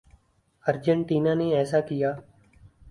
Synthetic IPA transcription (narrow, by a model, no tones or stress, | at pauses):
əɾd͡ʒəɳʈiːnaneɛːsakɪjaː